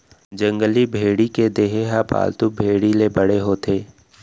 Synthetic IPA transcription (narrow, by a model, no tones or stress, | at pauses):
d͡ʒə̃ŋɡəlibʱeːɽiked̪eːɦeɦapa̰ːlt̪ʊbʱeːɽilebəɽeɦoːt̪ʰeː